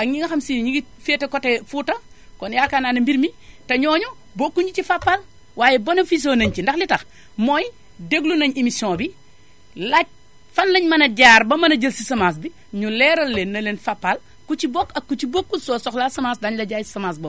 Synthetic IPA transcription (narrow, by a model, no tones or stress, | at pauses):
ʔɐɲiŋɐxɐmsinɲiɡifetekɔtefuːtɐkɔnjaːkananɐmbiɾmitɐɲɔːɲu | bokːuɲɟicifapːal | waːjɛbɐnofis̬onɐɲcindɐxlitɐx | mɔj | deɡlunɐɲimisjɔ̃ːbi | lac̚ | fɐnlɐɲmɐnɐɟaːɾbɐmɐnɐɟɐlsisɐmas̬bi | ɲulɛːɾɐlːenːɐlenfapːal | kut͡ʃibokːɐkːut͡ʃibokːunsɔːsɔxlasɐmaːsdaɲlɐɟaːjsɐmas̬boː